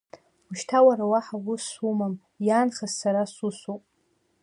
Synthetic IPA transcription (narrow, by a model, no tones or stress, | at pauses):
uʃtʰawaɾawaħaɡʊsumam | jaːnχazsaɾasusupʼ